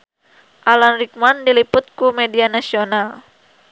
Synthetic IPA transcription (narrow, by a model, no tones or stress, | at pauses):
ʔalanrik̚mandilipʊt̪̚kumedianasional